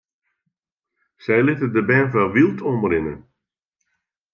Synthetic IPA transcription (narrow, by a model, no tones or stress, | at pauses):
sɛjlɪtədəbɛnfʋɛlˠʋilˠtʰɔmərɪnə̰